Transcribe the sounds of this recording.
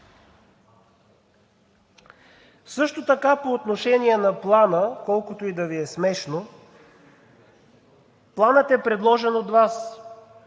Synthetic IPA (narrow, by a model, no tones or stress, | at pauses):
sɤʃt̪ot̪ɐkapoːt̪noʃɛniɛnɐplˠanəkɔlˠkot̪oid̪ɐviɛsmɛʃno | plˠanət̪ɛpɾɛd̪lˠɔʒɛnod̪vas